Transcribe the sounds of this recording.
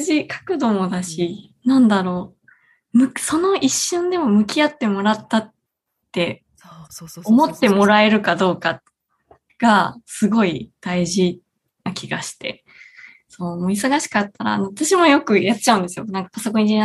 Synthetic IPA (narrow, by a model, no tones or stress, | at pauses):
ikʰḁkɯ̟d̪o̞mo̞d̪aɕi | nãnd̪aɾo̞ː | mɯ̟so̞no̞iɕːɨ̃nd̪e̞mo̞mɯ̟kʲijat̪ːe̞mo̞ɾat̪ːat̪ː | e̞ | omo̞t̪ːe̞mo̞ɾae̞ɾɯ̟kad̪o̞ːka | ɡ̥asɨɡo̞id̪̥aiʑi | nakʲʰiɡaɕi̥t̪e̞̰ | so̞ːmo̞is̬o̞ɡaɕi̥kat̪ːaɾa̰nat̪aɕimo̞jo̞kɯ̟jat͡ɕt͡ɕaɯ̃nd̪esɨjo̞nãŋkḁpaso̞ko̞ɲ̟ii